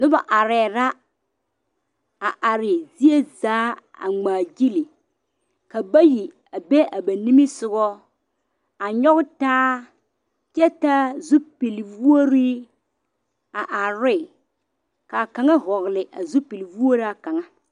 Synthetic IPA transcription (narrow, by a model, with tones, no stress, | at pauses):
nʊ˦ba˨ʔa˨ɾɛː˨ɾa˦ | a˨ʔa˨ɾɪ˨zi˦e˦zaː˨˦a̰˨ŋ͡maː˨d͡ʒi˦li˨ | ka˨ba˦ji˨ | a˨be˦ʔa˨ba˨ni˦mi˦sʊ˨ɡɔ˦ | a˨ɲɔ˦ɣtaː˦ | t͡ʃɛ˦ta˦zʊ˦pi˨lvu˦o˦ɾi˦ | a˨ʔa˨ɾɪ˦ | ka˨ka˨ŋa˦ɦɔ˨ɣlɪ˨ʔa˨zʊ˦pi˨lvu˦o˦ɾa˨ka˨ŋa˦